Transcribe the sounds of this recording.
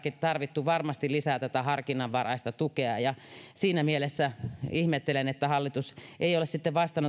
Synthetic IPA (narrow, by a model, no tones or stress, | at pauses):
kit̪ɑrʋit̪ːuʋɑrmɑst̪ilisæːt̪æt̪æhɑrkinɑʋʋɑrɑ̰ist̪ɑt̪ukeɑ̰jɑsiːnæmielesːæihmet̪ːelenet̪ːæhɑlːit̪usʔeijolessit̪ːeʋʋɑst̪ɑnː